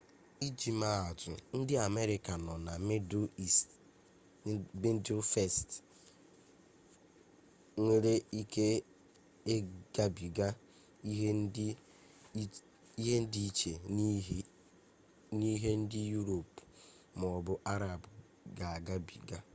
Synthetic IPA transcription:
i˦d͡ʒi˨ma˨a˨tʊ˨n̩˦dɪ˦a˨me˦ɾɪ˦ka˨nɔ˨na˨me˦do˦i˨st | be˦n̩˦do˦fe˦˨st | ŋʷe˦ɾe˦i˦ke˦ | e˦ɡ̥a˦bi˨ɡa˦ | i˦ɦ | i˦ɦe˦n̩˦di˦i˦t͡ʃe˨˦ | ni˦ɦe˦n̩˦dɪ˦ju˦ɾo˨p | m˨ɔ˨bʊ˦ʔa˦ɾa˨bʊ˨ | ɡa˨a˨ɡa˦bi˨ɡa˦

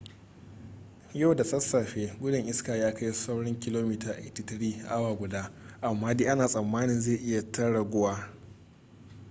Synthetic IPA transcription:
ja˦˨wda˨sɐ˦sːaː˨ɸeː˦ɡʷʊ˦dɪ˨ŋʔɪ˦skaː˨jaː˦ka˦jsa˦wɽɔ˦ŋkʲɪ˦loː˦miː˦taː˨ʔtɪ˦tɪ˦ɽiː˦ʔa˦waː˨ɡʷʊ˨daː˦ʔa˨mːaː˦deː˦ʔa˦naː˨sʼɐ˨mːaː˦nɪ˨nzeː˦˨ʔɪ˦ja˨tɐ˦ɽɐ˨ɡʷʊ˦waː˦

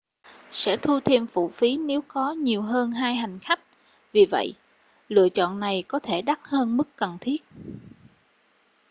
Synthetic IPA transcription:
sɛ̰˧˥t̪ʰu˧t̪ʰi˧mfṵ˧˨fi˨˦ne˨˦wkɔ˨˦ɲi˨˩əwɦəː˧nɦaː˧jɦa˨˩jŋ̟xa˦˥jk̟̚ | vi˨˩və̰˧˨jʔ | lɨ̰˧˨ət͡ɕɔ̰˧˨nːa˨˩jkɔ˨˦t̪ʰe˧˩ɗa˦˥t̚həː˧nmɨ˦˥kkə˨˩nt̪ʰi˦˥ət̚

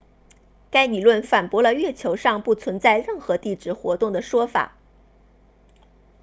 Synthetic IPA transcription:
ka˥ɪli˨˩lwə˥˩nfa˨˩npwɔ˧˥lə˧ɥɛ˥˩t͡ɕʰjo˧˥ʊʂɑ˥˧ŋpu˥˩t͡sʰwə˧˥nt͡sa˥˧ɪɻə˥˩nxɤ˧˥t̪i˥˩ʈ͡ʂɻ̩˥˩xwɔ̰˧˥t̪ʊ˥˩ŋd̪ə˩ʂwɔ˥fa̰˨˩˦

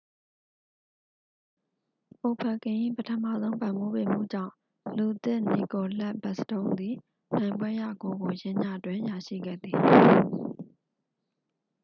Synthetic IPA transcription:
ʔo˨pʰə˨kɪ̃˨ʔi˦˨pətʰə˦˨ma̰˦˨zõ˦ʊ̃mpã˨mbo˦˨be˨m̥ṵ˦˨d͡ʑã̰˦˨ | lu˨t̪ɪ̰̃˦˨ni˨ko˨lɛ˦ʔbɛ˦˨sə̥tõ˦ʊ̃nd̪i˨ | nã˨ɪ̃mbwɛ˦ja̰˦˨ɡo˨ɡo˨jɪ̃˦ɲa˦˨twɪ̃˦˨ja˨ʃḭ˦˨ɡɛ̰˦˨d̪i˨

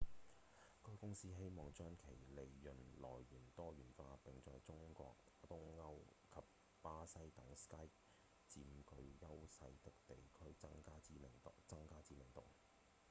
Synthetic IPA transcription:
kʰɔː˥jkʊ˥ŋsiː˥ɦe˥jmɔː˨˩ŋt͡ʃœː˥ŋkʰe˨˩jle˨jːɵ˨˩nnlɔ̰ː˨˩jːyː˨˩nt̪ɔː˥jyː˨˩nfaː˧pɪ˨ŋt͡sɔː˨jt͡sʊ˥ŋkɔ̰ː˧k̚ | t̪ʊ˥ŋŋɐ˥wkʰɐ˨p̚ | paː˥sɐ˥jt̪ɐ˨˥ŋskɐ˥j | t͡siː˧mkɵ˧ɥjɐ˥wsɐ˧˥jt̪ɪ˨k̚t̪e˨jkʰɵ˥ɥɐ˥ŋkaː˥i˨˥mɪ˨˩ŋt͡sɐ˥ŋkaː˥t͡siː˧˥mɪ˨˩ŋt̪ʊ̰˨ŋ

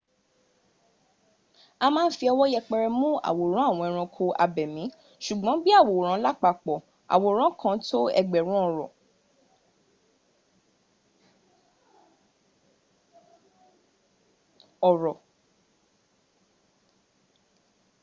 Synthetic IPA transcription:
a˧mãː˦n̩˦fi˧ɔ˧wɔ˦jɛ˧k͡pɛ˧ɾɛ˧mũ˦a̰˨wo˨ɾ̃ã˦a˦˨w̃ɔ̃˧ɛ˧ɾ̃ã˧kʰo˧a̰˧bɛ˨mĩ˨˦ | ʃu˨ɡ͡bɔ̃˨˦bi˦a˦˨wo˨ɾ̃ã˨˦la˦k͡pa˧˨k͡pɔ˨ | a̰˨wo˨o˨ɾ̃ã˨˦kʰã˧˦to˦ɛ̰˧ɡ͡bɛ˨ɾ̃ũ˦ɔ˦˨ɾɔ˨ | ɔ˨ɾɔ˨

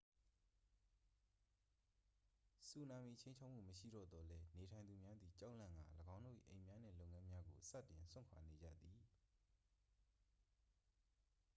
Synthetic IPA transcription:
su˨nã˨mi˨t͡ɕʰẽ˦ɲt͡ɕʰa˦ʊʔm̥ṵ˦˨məʃḭ˦˨ɾɔ̰˦˨d̪ɔ˨lɛ˦ne˨tʰã˨ɪ̃nd̪u˨mja˦d̪ði˨t͡ɕã̰˦lã˦˨ŋɡa̰˦˨ləɡã˦ʊ̃ndo̰˦˨ʔḭ˦˨ʔẽ˨mja˦nɛ̰̃˦˨lo˦ʊŋã˦mja˦ɡo˨sa̰˦˨tːɪ̃˨nswɪ̰̃˦˨kʰa̰˨ne˨d͡ʑä̰˦˨d̪i˨

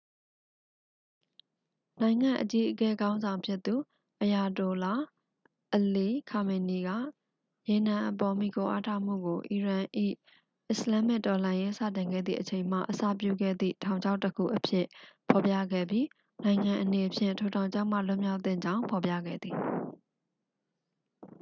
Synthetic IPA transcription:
nã˨ɪ̃ŋã˨ʔət͡ɕi˦ʔəkɛ˦ɡã˦ʊ̃nzã˨ʊ̃mpʰjɪ˦t̪ːu˨ | ʔəja˨to˨la˦˨ | ʔəli˦kʰa˨me˨ni˨ɡä̰˦˨ | je˨nã˨ʔəp̬ɔ˨mi˨ko˨ʔa̰˦tʰa˦˨m̥ṵ˦˨ɡo˨ʔi˨ɹã˨ʔḭ˦˨ | ʔɪ˦slã˦mɪ˦ʔtɔ˨lã˨je˦sä̰˦˨tɪ̃˨ŋɡɛ̰˦˨d̪ðḭ˦˨ʔət͡ɕʰẽ˨ɪ̃m̥a̰˦˨ʔəsä̰˦˨p̬jṵ˦˨ɡɛ̰˦˨d̪ðḭ˦˨tʰã˨ʊɲd͡ʑʰa˦ʊtːəkʰṵ˦˨ʔəpʰjɪ˦ʔpʰɔ˨pjä̰˦˨ɡɛ̰˦˨bji˦ | nã˨ɪ̃ŋã˨ʔəne˨ʔəpʰjɪ̰̃˦˨ntʰo˨tʰã˨ʊ̃ɲt͡ɕʰa˦ʔm̥ä̰˦˨lʊ̃˦mja˦ʊt̪θɪ̰̃˦˨ɲd͡ʑã˦ʊ̃mpʰɔ˨pjä̰˦˨ɡɛ̰˦˨d̪ði˨

